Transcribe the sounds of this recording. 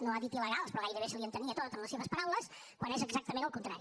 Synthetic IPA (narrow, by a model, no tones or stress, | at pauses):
noaðit̪iləɣalˠspɾɔɣajðəβesəliənt̪əniət̪ot̪əmləseβəspəɾawləskwanɛzəɡzak̚t̪əmẽnəlˠkunt̪ɾa̰ɾi